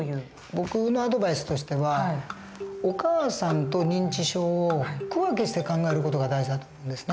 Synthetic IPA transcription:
bo̞kɯ̟noad̪o̞baisɨ̥t̪o̞ɕi̥t̪e̞βa | okaːsãnt̪o̞ɲ̟ĩɲ̟t͡ɕiɕo̞ːokɯ̟βakeɕi̥t̪ekãŋɡae̞ɾɯ̟ko̞t̪o̞ɡad̪aiʑid̪at̪oːmo̞ɯ̃nd̪esɨ̥ne

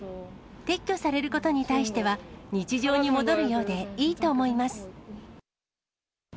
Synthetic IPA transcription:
t̪e̞kʲːo̞saɾe̞ɾɯ̟ko̞t̪o̞ɲ̟it̪aiɕi̥t̪e̞βaɲ̟it͡ɕiʑo̞ːɲ̟imo̞d̪o̞ɾɯ̟jo̞ːd̪e̞iːt̪o̞ːmo̞imasɨ̥

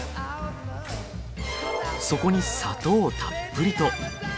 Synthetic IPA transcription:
so̞ko̞ɲ̟isat̪o̞ːt̪ʰapːɯ̟ɾʲit̪o̞

